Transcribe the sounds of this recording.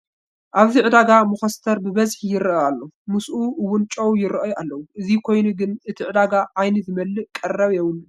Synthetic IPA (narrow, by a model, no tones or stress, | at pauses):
ʔaβziʕɨd̪aɡamuxɐst̪ʰɐɾbɨβɐzħijɪɾʔɐalːomɨsʔuwʊnt͡ʃʼowjɪɾʔɐjʔalːɐwuʔɨzikʰo̞jnuɡɨnʔɨt̪ʰiʕɨd̪aɡaʔajnɨzɨmɐlːɨʔkʼɐrːɐβjɛwn